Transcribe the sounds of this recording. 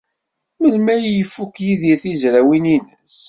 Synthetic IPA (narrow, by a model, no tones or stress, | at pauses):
məlmæjjəfːukjiðiθizɾæwininəs